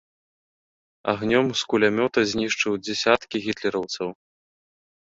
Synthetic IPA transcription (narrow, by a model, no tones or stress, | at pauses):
a̰ɣnʲɔmskulʲamʲɔt̪ɐzʲnʲiʂt͡ʂɨwd͡zʲɛsʲat̪kʲiɣʲit̪lʲɛɾɐwt̪sɐw